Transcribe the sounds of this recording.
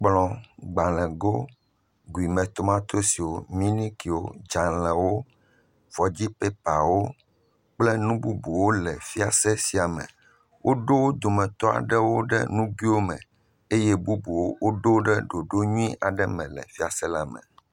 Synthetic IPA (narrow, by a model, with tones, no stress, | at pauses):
k͡plɔ̃˨ɡ͡ba˨lɛ̃˨ɡo˦ | ɡu˨i˨mɛ̃˨t̪o˦mã˦t̪o˦si˨wo˦mĩ˦nĩ˦ki˨wo˦d͡ʒa˨lɛ̃˨wo˦ | v̥ɔ˨d͡ʑi˦pe˦pa˨wo˦ | k͡plɛ˦nũ˦bu˦bu˨wo˦lɛ˨fi˦a˨sɛ˦si˨a˨mɛ̰̃˨ | wʔo˦ɖo˦wo˦d̪o˨mɛ̃˨t̪ɔ˦a̰˨ɖɛ˦wo˦ɖɛ̰˦nũ˦ɡi˦wo˦mɛ̰̃˨ | e˦jɛ˦bu˦bu˨wo˦wʔo˦ɖo˦ɖɛ˦ɖo˨ɖo˦ɲũ˦ĩ˦ʔa˨ɖɛ˦mɛ̰̃˨lɛ̰˨fi˦a˨sɛ˦la˨mɛ̰̃˨